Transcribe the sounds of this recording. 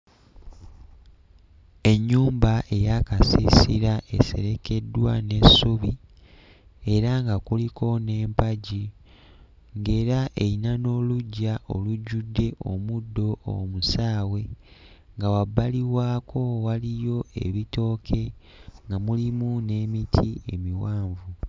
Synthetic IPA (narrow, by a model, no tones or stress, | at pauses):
e̞ɲːuːmbaʔe̞jakasisḭɾaʔe̞̰se̞̰ɾe̞ke̞dːwa̰ne̞suβi | e̞ɾaŋɡakuliko̞ne̞ːmpaɟi | ŋɡe̞ːɾaʔe̞inano̞ːluɟːaʔo̞̰luɟudːe̞ʔo̞̰mudːo̞o̰musaːwe̞ | ŋɡawabaliwaːkʰo̞walijo̞e̞̰βito̞ːkʰe̞ | ŋɡamulimune̞ːmitʰie̞̰miwaːɱvu